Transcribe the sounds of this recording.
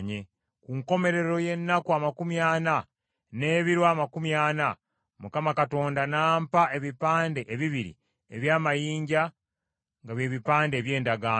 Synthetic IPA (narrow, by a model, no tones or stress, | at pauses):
ɲe | kuŋko̞me̞ɾe̞ɾo̞je̞nːakuamakumjaːna | ne̞ːβiɾwamakumjaːna | mukamakato̞ːndanaːmpaʔe̞βipaːnde̞ʔeβiβiɾḭ | ḛβjaːmajiːɲɟa | ŋɡaβje̞βipaːnde̞ːβje̞ːndaɡaː